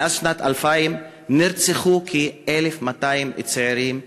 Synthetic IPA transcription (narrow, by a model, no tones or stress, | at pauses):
ʔazʃnat̪alfaim | niɾt͡seχukʰielefmataimit͡seeɾim